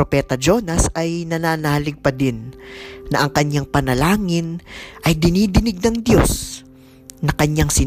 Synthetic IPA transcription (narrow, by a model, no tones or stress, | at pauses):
opɛːt̪ɐd͡ʒo̞nɐsɐjnɐnaːnaːhlɪɡ̚pɐd̪ɪnnɐʔɐŋkɐɲːaŋpɐnɐlaːŋɪnʔɐjd̪ɪniːd̪ɪnɪɡ̚nɐŋd̪jo̞s | nɐkɐɲːaŋsɪ